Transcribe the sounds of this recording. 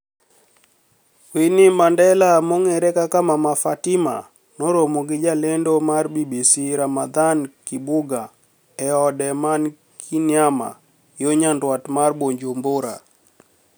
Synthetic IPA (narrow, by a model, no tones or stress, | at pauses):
winɪmandɛlamoŋɛɾɛkakamamafatɪma̰ | noɾomoɡɪd͡ʒalendomarbibisiɾamad̪ankɪbʊɡa | ɛɔdɛman | kʰinjama̰ | joɲandwatmarboɲd͡ʒomboɾa̰